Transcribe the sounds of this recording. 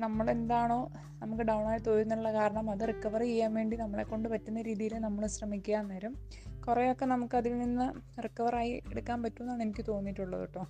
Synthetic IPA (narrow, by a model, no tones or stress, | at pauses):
nɐmːɐɭe̞nd̪aːɳo̞ː | nɐmukːɨɖɐwɳaːjit̪oːɾunːɐʈuɭːɐkaːɾɐɳɐmɐðɨrikːɐʋɐrt͡ɕejːaːnʋe̞ːɳɖinɐmːɐɭe̞kːo̞ɳɖɨpɐtːunːɐɾiːðijilnɐmːɐɭɕrɐmikʲːujaːnːeːɾum | kurejo̞kːe̞nɐmukːɨɐðilninːɨrikːɐʋɐraːjieɽukːaːnpɐtːuonːaːɳenikʲːɨt̪o̞ːnːitːuɭːɐ̰ðṵʈːoː